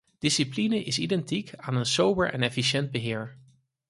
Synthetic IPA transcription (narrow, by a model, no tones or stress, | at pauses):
d̥ɪsiplinəʔɪsidɛntikʰaːnənsowbəɹʔɛ̰nɛfiʃɛnd̚bəɦɪːɹ